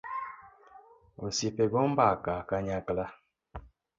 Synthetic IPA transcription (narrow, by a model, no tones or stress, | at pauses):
osipeɡɔm̩bakaːkaɲakla